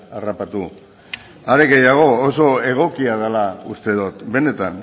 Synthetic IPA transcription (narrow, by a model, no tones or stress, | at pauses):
arapat̪u | aɾeɣɡe̞jaɣ̞o̞ːso̞e̞ɣ̞o̞kiað̞alaust̪e̞ðot̪be̞ne̞t̪an